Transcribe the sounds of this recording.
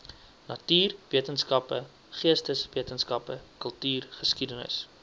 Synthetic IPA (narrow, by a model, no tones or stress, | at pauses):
nɐtyːrviətənskɐpə | χiəstəsviətənskɐpəkəlˠtyːrχəskidənə̰s